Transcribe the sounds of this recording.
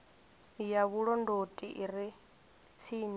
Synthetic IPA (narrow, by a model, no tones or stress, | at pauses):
jaβuɺɔndotʼiʔiɾi | t͡sʰiːɲ